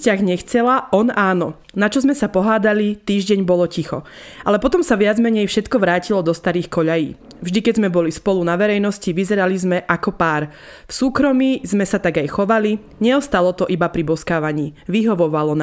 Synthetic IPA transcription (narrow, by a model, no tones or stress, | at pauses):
caɣɲɛxt͡sɛlaʔɔnaːnɔ | nat͡ʃɔzmɛsapɔɦaːd̪alit̪iːʒɟɛɲbɔlɔcixɔ̰ʔa̰lɛpɔt̪ɔmsaʋɪad͡zmɛɲɛjfʃɛt̪kɔʋɾaːcilɔd̪ɔst̪aɾiːxkɔʎajḭː | vʒd̪ikɛzmɛbɔlispɔlunaʋɛɾɛjnɔsciʋizɛɾalizmɛʔakɔpaːɾ | fsuːkɾɔmiːzmɛsat̪aɡajxɔʋali | ɲɛɔst̪alɔt̪ɔʔibapɾibɔskaːʋaɲiːʋiɦɔʋɔʋalɔna